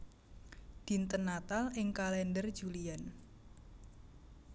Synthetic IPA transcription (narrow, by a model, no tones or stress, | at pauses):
d̪̥int̪ənat̪alɪŋkalɛndərd̥d͡ʒ̥ulian